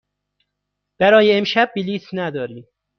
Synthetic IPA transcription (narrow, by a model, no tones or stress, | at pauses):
b̥æɾɒːjeːmʃæb̚ːiliːsnæd̪ɒːɾiː